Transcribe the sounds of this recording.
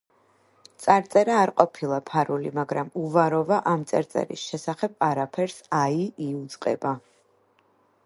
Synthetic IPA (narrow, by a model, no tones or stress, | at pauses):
t̪sʼaɾt̪sʼɛɾaːɾqʼɔpʰilˠapʰaɾulimaɡɾamuvaɾɔvaʔamt̪sʼaɾt̪sʼɛ̰ɾḭsʃɛsaχɛb̥̚aɾapʰɛɾsaiiud̪zʼqʼɛ̰ba